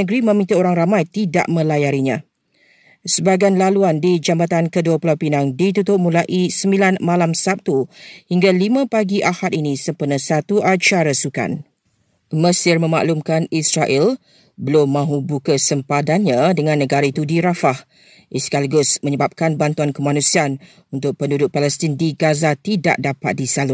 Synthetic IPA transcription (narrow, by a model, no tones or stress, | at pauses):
nəɡɾimə̃mĩt̪əoɾaŋramãjt̪ida̰ʔmə̃lajaɾiɲã | səbaɡanlaluandid͡ʒambat̪ankəduapulawpinaŋdit̪̬ut̪ʊp̚mulaʔisəmbilanmalamsap̚t̪uhiŋɡalimãpaɡiʔahat̪inĩsəmpənəsat̪uʔat͡ʃaɾasuka̰n | məsɪrmə̃ma̰ʔlumkanisɾaʔɛl | bəlʊmːãɦubukəsəmpadanɲãdəŋãnːəɡaɾait̪udiɾafah | ʔiskalɡʊsmə̃ɲəbap̚kanbant̪uankəmanũsian | unt̪ʊk̚pəndudʊʔ̚palɛst̪indiɡazat̪ida̰ʔdapat̪̚disalʊ